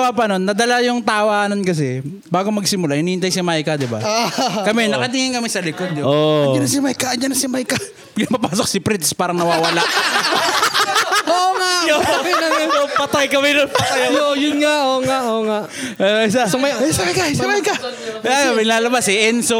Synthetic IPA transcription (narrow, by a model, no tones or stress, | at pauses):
wapɐnonːɐd̪ɐlajʊŋt̪aːwaːnonkɐs̬ɛ | baːɡomɐɡsɪmʊlahɪnihɪnt̪ajsɪmajkɐd̪ɪba̰kɐmɛnɐkɐt̪̬iŋɪŋkɐmɛsɐlɪkod̪̚jood͡ʒɐnɐsɪmajkɐɐnd͡ʒɐnɐsɪmajkɐ | bɡnɐmɐpaːsok̚sɪpɾɪt̪spaːɾɐŋnɐwaːwɐlaʔ | oŋajomɛnɐopɐt̪ajkɐmɛlʊŋpɐajjojʊnŋaʔoːŋaʔoːŋaʔɐɪsasɐmajsɐmajkasimajkɐ | ajomɪlaːlɐbasɛʔɛnso